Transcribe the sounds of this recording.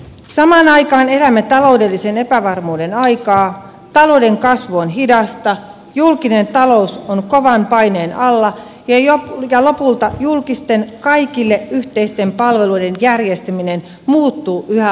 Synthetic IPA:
sɑmɑːnɑikɑːne̞læmæt̪ɑloude̞lːisenepæʋɑrmuːdenɑikɑː | t̪ɑloude̞ŋkɑsʋuonɦidɑst̪ɑ | julkine̞nt̪ɑlousonkoʋɑmpɑineːnʔɑlːɑ | jɑjojɑlo̞pult̪ɑjulkist̪enkɑikilːeʔyht̪eist̪e̞mpɑlʋe̞luide̞njærjest̪æminen | muːt̪ːuːʔyhæ

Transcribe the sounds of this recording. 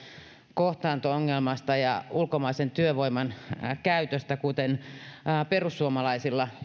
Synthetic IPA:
koht̪ɑːnt̪ooŋːelmɑst̪ɑjɑ̰ulkomɑisent̪yøʋoimɑnkæyt̪øst̪ækut̪en | perusːuomɑlɑisilːɑ

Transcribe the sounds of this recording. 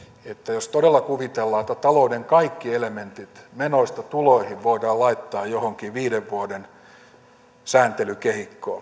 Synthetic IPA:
et̪ːæjost̪odelːɑkuʋit̪elːɑːet̪ːæt̪ɑloudeŋkɑikːielement̪it̪menoist̪ɑt̪uloihiʋʋoidɑːlɑit̪ːɑːjjohoŋkiʋiːdeʋʋuoden | sæːnt̪elykehikːoː

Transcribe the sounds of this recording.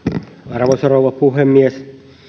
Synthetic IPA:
ɑrʋosoroʋɑpuɦemːies

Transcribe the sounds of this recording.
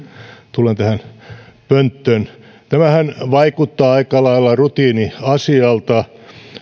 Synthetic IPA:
t̪ulent̪æhænpønt̪ːøn | t̪æmæhænʋɑikut̪ːɑːɑikɑlɑilːɑrut̪iːniɑsiɑlt̪ɑ

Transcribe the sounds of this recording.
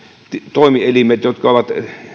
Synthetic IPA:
t̪t̪oˑimielimet̪jot̪kɑoʋɑt̪

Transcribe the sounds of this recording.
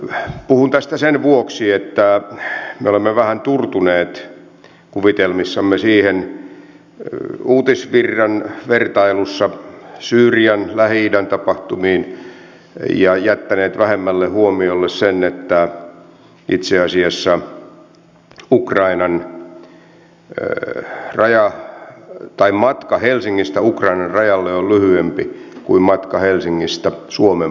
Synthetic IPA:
puhunt̪æst̪æsenʋuoksiet̪ːæ | meolemːeʋæhænt̪urt̪uneːt̪ | kuʋit̪elmisːɑmːesiːhen | uːt̪isʋirːɑnʋert̪ɑilusːɑsyːriɑnlæhidænt̪ɑpɑht̪umiːn | jɑjæt̪ːæneːt̪ʋæhemːælːehuomiolːessenːet̪ːæ | ʔit̪seɑsiɑsːɑ | ukrɑinɑn | rɑjɑ | t̪ɑimmɑt̪kɑhelsiŋːist̪æukrɑinɑrrɑjɑlːeollyhyempikuimmɑt̪kɑhelsiŋːist̪æsuome

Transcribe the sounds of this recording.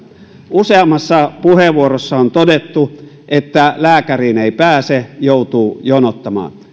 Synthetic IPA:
useɑmːˑɑsːɑpuheʋuorosːɑont̪odet̪ːu | ʔet̪ːælæːkæriːneˑipæːsejoˑut̪uːjonot̪ːɑmɑ̰ːn

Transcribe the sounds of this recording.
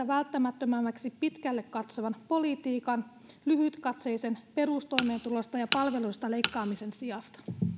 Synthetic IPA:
æʋælt̪ːæmæt̪ːømæmːæksipit̪kælːekkɑt̪soʋɑnpo̞lit̪iːkɑn | lyhyt̪kɑt̪sejsenpe̞rust̪o̞jme̞ːnt̪ulo̞st̪ɑjɑpɑlʋe̞luist̪ɑle̞jkːɑːmise̞nsiɑst̪ɑ̥

